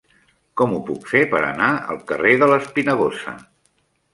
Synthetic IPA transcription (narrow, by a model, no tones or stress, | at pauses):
kɔmupukfepəɾə̰naə̰lˠkəreðələspinəɣ̞osə̰